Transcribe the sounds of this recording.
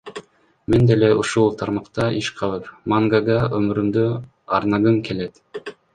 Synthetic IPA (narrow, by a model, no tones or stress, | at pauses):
mend̪eleʔuʃulˠt̪ʰɑɾmɑqt̪ɑʔiʃqʰɑlˠɯpmaŋɡaɡɑømyɾymd̪ø | ɑɾnɑɡɯmke̞let̪